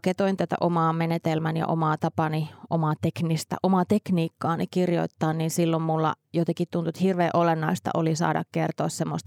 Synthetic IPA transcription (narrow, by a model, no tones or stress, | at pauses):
ket̪oint̪æt̪æ̰ʔomɑːmenet̪elmænjɑ̰ʔo̰mɑːt̪ɑpɑniʔomɑt̪eknist̪ɑ̰ʔomɑt̪ekniːkːɑːnikirjo̰it̪ːɑːnninsilːommulːɑ̰jot̪ɑkit̪t̪unt̪uet̪hirʋeːʔolenːɑist̪ɑ̰ʔolisɑ̰ːdɑ̰kkert̪oːˑssemːo̰st̪